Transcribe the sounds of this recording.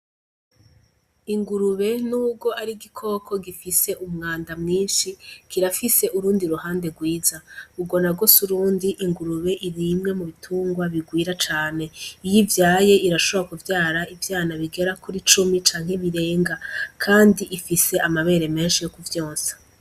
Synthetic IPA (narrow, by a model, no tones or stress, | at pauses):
iŋɡuɾuβe̞nubɡo̞ʔaɾiɡikʰo̞ːkʰo̞ɡifise̞ʔumŋaːndamŋiːnʃikiɾafise̞ʔuɾuːndiɾuhaːnde̞ɡwiːzauɡo̞naɡo̞suɾuːndiʔiŋɡuɾuβe̞ʔiɾimŋe̞muβitʰuːŋɡwaβiɡwiːɾat͡ʃaːne̞ijivjaːje̞ʔiɾaʃoβɾakuvjaːɾaivjaːnaβiɡe̞ɾakuɾit͡ʃumit͡ʃaːŋ̥he̞βiɾe̞ːŋɡakʰaːndiʔifise̞ʔamaβe̞ːɾe̞me̞ːnʃijo̞kuvjoːnsḁ